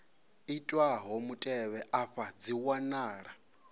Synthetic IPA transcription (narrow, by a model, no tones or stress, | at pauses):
itʼwaɦomutʼɛβɛʔaɸad͡ziwanaːɺa